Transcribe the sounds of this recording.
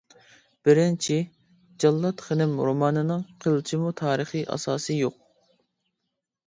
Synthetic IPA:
b̥ɪɾɪnt͡ʃʰi | d͡ʒɑlˠːɑt̪χənɪmɾomɑːnɨnɨŋqʰəlˠt͡ʃʰimut̪ʰɑːɾəχɨʔɑ̰sɑːsɨjoq̚

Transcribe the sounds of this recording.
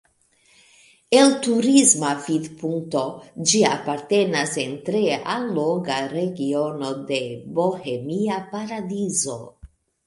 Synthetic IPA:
e̞ltuɾizmafid̪puŋk̚to̞d͡ʒiapaɾte̞nase̞nt̪ɾe̞alːoŋɡaɾe̞ɡio̞no̞de̞bo̞he̞miapaɾadizo̞̰

